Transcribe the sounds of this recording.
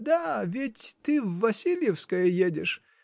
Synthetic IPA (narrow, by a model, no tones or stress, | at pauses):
d̪avʲɪtʲt̪ɨvːɐsʲilʲjɪfskəjəjedʲɪʂ